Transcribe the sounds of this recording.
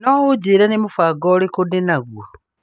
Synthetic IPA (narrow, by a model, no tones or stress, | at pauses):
nowud͡ʒiɾanimufaɡolikudinaɣwa